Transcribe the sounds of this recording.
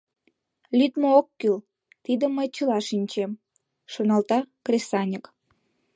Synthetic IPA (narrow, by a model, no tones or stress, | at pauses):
lʲyt̪mookːyl | t̪id̪əmːəjt͡ɕəlɑʃinʲt͡ɕem | ʃonɑlt̪ɑkrʲesɑnʲək